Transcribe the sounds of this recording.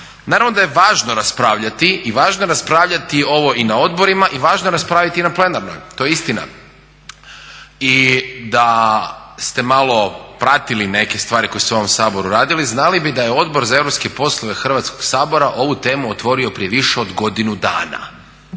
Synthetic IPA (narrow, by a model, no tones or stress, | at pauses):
naːɾaʋnod̪aje̞ʋaːʒnoɾaspɾaːʋʎat̪iːʋaːʒnojeɾaspɾaːʋʎat̪io̞ʋo̞ʔinao̞d̪bo̞ɾimaʔiʋaːʒnojeɾaspɾaːʋit̪inaple̞naɾno̰jt̪o̞jist̪ina̰ | id̪a | st̪e̞malˠo̞pɾat̪iline̞kest̪ʋaːɾiko̞jeseoomsaːbo̞ɾuɾaːd̪iliznalibid̪ajeo̞d̪bo̞ɾzae̞ʋɾopske̞po̞slˠoʋe̞xr̩ʋat̪skoɡ̥saːbo̞ɾaʔo̞ʋut̪e̞ːmuot̪ʋo̞ɾio̞pɾije̞ʋiʃeod̪ɡo̞d̪inud̪a̰ːna̰